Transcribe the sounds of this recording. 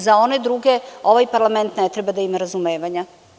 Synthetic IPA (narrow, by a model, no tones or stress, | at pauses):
zao̞ned̪ɾuɡeo̞ʋajpaɾlˠame̞nt̪net̪ɾebad̪aimaɾazumeːʋaɲa